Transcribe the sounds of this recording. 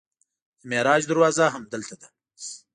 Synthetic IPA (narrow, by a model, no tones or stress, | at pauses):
əmeɾɑːd͡ʒd̪aɾwɑːzaɦɐmd̪əlt̪ad̪a